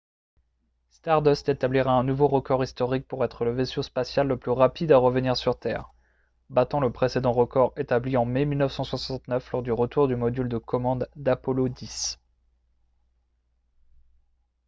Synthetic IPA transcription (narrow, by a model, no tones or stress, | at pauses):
st̪aʁd̪ɔst̪et̪abliʁaɛ̃nuvoʁəkɔʁist̪ɔʁik̚puʁɛt̪χələvesyspasjalːəplyʁapid̪aʁəvəniʁsyʁt̪ɛ̰ːʁ | bat̪ɑ̃ləpχesed̪ɑ̃ʁəkɔʁet̪abliɑ̃memilnəfsɑ̃swãsɑ̃t̪nœflɔʁd̪yʁət̪uʁd̪ymɔd̪yld̪əkɔmɑ̃d̪ːapɔlod̪is